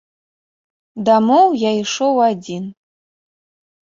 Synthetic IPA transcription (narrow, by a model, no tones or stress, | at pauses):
damowjajʂowadin